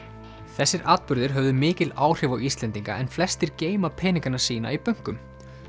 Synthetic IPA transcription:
θɛsːɪɾʔaːt̪̚pʏɾðɪɾ̥ɦœvðʏmɪːcɪlaːwr̥ɪvawist̪lɛnt̪iŋka̰ɛnflɛst̪ɪɾceːjmapʰɛːniŋkaɾnḁsiːn̪a̰ipœŋ̥kʏm

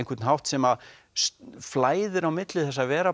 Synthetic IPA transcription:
ŋkvɛt̪nɦawht̪sɛmað | sflaːjðɪɾawmɪt̪lɪθɛs̬ːaðvɛːɾa

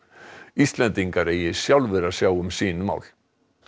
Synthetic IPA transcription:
ist̪lɛnt̪iŋkaɾeːjɪ̥sjawlvɛɾasjaːwʏmsiːnʏma̰ːwl

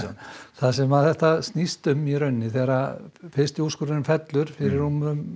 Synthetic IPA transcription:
θaðsɛmaðθɛht̪ast̪nist̪ʏmːiɾœɥnːɪθɛɾafɪst̪ɪuskʏɾɪnfɛt̪lʏɾ̥fɪɾɪɾumʏʏm

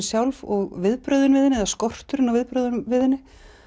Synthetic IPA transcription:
sjawlvɔɣvɪðpɾœɥðʏnvɪðɪnɪɛðaskɔr̥t̪ʏɾɪnawvɪðpɾœðʏnvɪðɪnːɪ

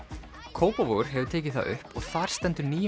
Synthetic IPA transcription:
kʰoːwpɔvoɣʏɾ̥ɦɛvʏɾt̪ʰeːcɪθa̰ðʏ̰hpɔɣθaɾ̥st̪ɛnt̪ʏɾniː

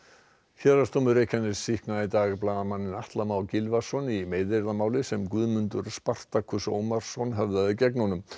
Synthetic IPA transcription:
çɛɾḁst̪oːmʏɾeːjcʰanːɪsihknait̪aːɣplaːðamanːɪnaht̪lamawcɪlvasɔnimeːjðeɾðamaːwlɪsɛmkʏðmʏnt̪ʏɾ̥spar̥t̪akʰʏso̰ːwmaɾ̥sɔnɦɛvðaðɪcɛknɔnʏm

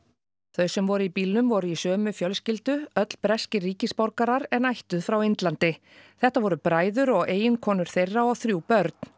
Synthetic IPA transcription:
θœɥsɛmvɔɾʏipiːlnʏmvɔɾʏisœːmʏfjœlscɪlt̪ʏœt̪l̥pɾɛscɪriːcɪspɔɾkaɾaɾɛnajht̪ʏðfɾawejnt̪lant̪ɪ | θɛht̪avɔɾʏpɾaːjðʏɾɔɣʔeːjɪnkʰɔːnʏɾ̥θejrːaɔɣθɾjuːpœɾt̪̚n̥

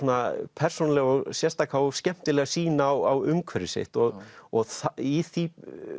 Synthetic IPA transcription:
uːnapʰɛr̥sonlɛɣɔɣsjɛst̪akʰawscɛm̥t̪ɪlɛɣasiːnaːwawʏmkʰvœɾɪsḛht̪ɔɣɔɣθaiθi

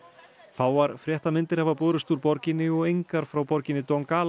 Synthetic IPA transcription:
faːwaɾ̥fɾjɛht̪amɪnt̪ɪɾ̥havapoːɾʏst̪uɾpɔɾcɪnɪɔɣejŋkaɾ̥fɾawpɔɾcɪnːɪt̪ɔŋkaːl

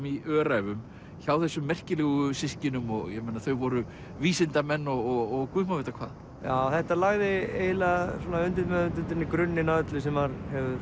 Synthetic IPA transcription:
miʔœːɾajvʏm | çaːwθɛsːʏmːɛr̥cɪlɛːɣʏsɪscɪnʏmɔɣjɛmejnaθœɥvɔɾʏ | viːsɪnt̪amɛnːɔɣɔɣːɣkvʏhmavɛt̪akʰva̰ːð | jaːθɛht̪alaɣðɪeːjlasɔːnaʏnt̪ɪðmɛðʏnt̪ʏnt̪ɪnikɾʏnːɪnaʏt̪lʏsɛmvaɾhɛvʏ

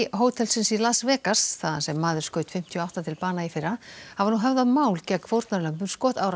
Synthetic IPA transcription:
ɦoːwt̪ʰɛlsɪnsilaðsvɛːkḁsθaðasɛmːaːðʏ̥skœːɥt̪fɪm̥t̪ʰjɔawht̪at̪ʰɪlpaːnaifɪɾːahavaɾnuɦɛvðamaːwlcɛkʰvowɾt̪naɾlœmpʏmskɔːht̪aːwɾ

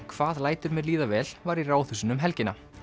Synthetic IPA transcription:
kʰv̥aːðlaːjt̪ʏɾmjɛɾliːðavɛːlvaɾiraːwθʏsʏnʏmɦɛlcɪna

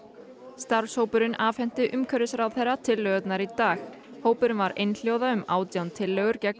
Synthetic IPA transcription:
st̪aɾvshoːwpʏɾɪnaːfɛn̥t̪ɪʔʏmkʰœɾɪsɾawðθejrːat̪ʰɪlːœːɣʏt̪naɾit̪aːx | hoːwpʏɾʏnvaɾejnl̥joːwðaʏma̰ːwt̪jawnt̪ʰɪlːœːɣʏɾcɛkn

